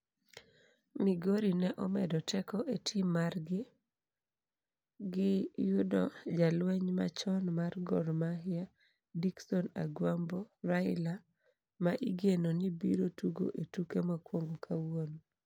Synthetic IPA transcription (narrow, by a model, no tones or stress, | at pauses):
miɡoɾinɛʔɔmɛdɔtʰɛkɔʔetʰɪmarɡɪ | ɡɪjʊdɔd͡ʒalwɛɲma̰t͡ʃɔnmarɡɔɾmaɦɪa | diksɔna̰ɡwamboɾaɪla | maʔiɡenonibḭɾotuɡo̰ʔetukemakwoŋɡokʰawon